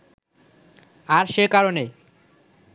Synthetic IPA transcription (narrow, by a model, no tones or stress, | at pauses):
aɾʃekaɾone